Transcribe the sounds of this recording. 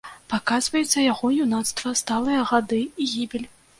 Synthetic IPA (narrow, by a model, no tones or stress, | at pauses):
pakazvɐjut̪sːɐjaɣɔjunat̪st̪vɐst̪alˠɨjɐɣad̪ɨiɣʲibʲilʲ